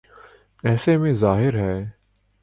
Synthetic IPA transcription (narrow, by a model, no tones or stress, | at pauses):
ɛːsemẽzaːɦɪɾɦɛː